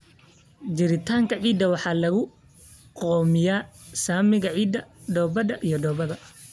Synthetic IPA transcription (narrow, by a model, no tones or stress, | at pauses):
d͡ʒɪɾɪt̪ʰaːŋkʰɐʕiːd̪ɐwɑħɑːlɐɣʊ | qɔːmɪjaːsaːmɪɣɐʕiːd̪ːɐɖɔːbɐd̪ɐʔijɔɖɔːbɐðɐ